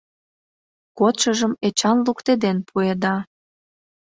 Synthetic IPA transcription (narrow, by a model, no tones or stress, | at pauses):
kot̪ʃəʒəmet͡ɕɑnlukt̪ed̪enpʰued̪ɑ